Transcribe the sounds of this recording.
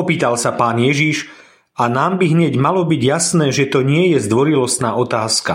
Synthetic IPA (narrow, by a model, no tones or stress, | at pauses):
ɔpiːt̪alsapaːnjɛʒiʃ | ʔanaːmbiɦɲɛɟmalɔbiɟjasnɛːʒɛt̪ɔɲɪɛjɛzd̪ʋɔɾilɔst̪naːʔɔt̪aːska